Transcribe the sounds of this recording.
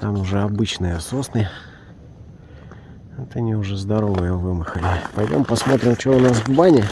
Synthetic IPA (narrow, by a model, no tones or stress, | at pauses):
t̪amʊʐɛɐbɨt͡ɕnɨjəsosnɨjə | ɛt̪ɐnʲiʊʐɛzd̪ɐɾo̞vəjəvɨmɨxəlʲɪpɐjdʲo̰mpɐsmo̞t̪ɾʲɪmt͡ɕɪoʊnasɡʊbanʲɪə